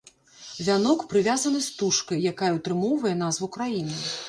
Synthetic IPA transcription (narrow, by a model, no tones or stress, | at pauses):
vʲanɔkpɾɨvʲazɐnɨst̪uʂkɐjjakajɛwt̪ɾɨmɔwvɐjɛnazvɐwkɾajinɨ